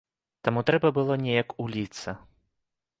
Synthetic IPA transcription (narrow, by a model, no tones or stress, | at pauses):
t̪amut̪ɾɛbɐbɨlˠɔnʲɛjɐkulʲit̪sɐ